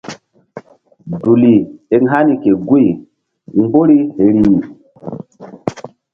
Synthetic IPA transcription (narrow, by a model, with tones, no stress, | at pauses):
du˨li˨e˨ŋɦa˦ni˨ke˨ɡu˦i˨ | ŋ˦ɡ͡bo˦ɾi˦he˨ɾi˦˨